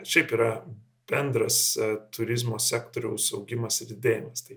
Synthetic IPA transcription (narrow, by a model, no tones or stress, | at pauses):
ʃʲɛɪpiːɾɐ | b̥ʲɛnd̪ɾɐst̪ʊɾʲɪzmoːsʲæːkt̪oːɾʲɛʊsɐʊɡʲɪmɐsɪɾʲɪd̪ʲeːjɪmɐst̪ɐɪ